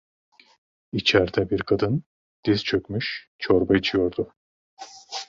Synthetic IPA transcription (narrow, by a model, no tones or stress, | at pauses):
it͡ʃʰɛɾd̪ɛbiɾkʰad̪ɯn | d̪̥iz̥t͡ʃʰø̞kʲmyʃ | t͡ʃʰo̞ɾbait͡ʃʰijo̞ɾd̪ʊ